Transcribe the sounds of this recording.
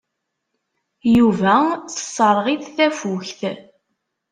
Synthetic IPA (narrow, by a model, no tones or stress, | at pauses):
juvæθə̥sˤːəɾˤʁiθθæfuçθ